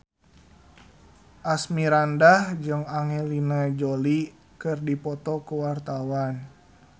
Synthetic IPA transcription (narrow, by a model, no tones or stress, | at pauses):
ʔasmiɾandahd͡ʒɨŋaŋelinad͡ʒoli | kɨrdipɔt̪ɔkuwart̪awan